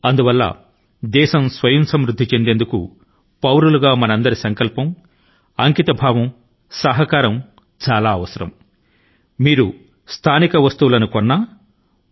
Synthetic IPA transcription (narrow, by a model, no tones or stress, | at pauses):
ɐnd̪uʋɐlːɐ̰ | d̪ɛːʃɐmsʋɐjɐnsɐmɾud̪ʱːit͡ʃe̞nd̪e̞ːnd̪ukṵ | pɐwɾuluɡaːmɐnɐnd̪ɐɾisɐŋkɐlpɐm | ɐŋkit̪ɐbʱaːʋɐm | sɐɦɐkaːɾɐm | t͡ʃaːlaːɐʋɐsɐɾɐ̰m | miːɾu | st̪ʰaːnikɐʋɐst̪uʋulɐnukɔnːɐ